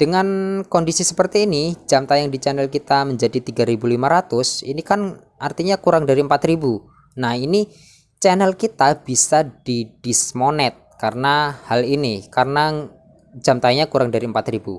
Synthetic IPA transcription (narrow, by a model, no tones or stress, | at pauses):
d̥əŋankɔndisisəpərt̪iːnid͡ʒamt̪ajaŋdit͡ʃɛnəlkit̪aməɲd͡ʒadit̪iɡaɾibulimaɾat̪ʊsinikan | ʔart̪iɲakuɾaŋdaɾiəmpat̪ɾibu | nahini | t͡ʃɛnəlkit̪ab̥isad̥id̥ismonɛt̪̚karənahalinikarəna | d͡ʒamt̪ajɲakuɾaŋdaɾiəmpat̪ɾibu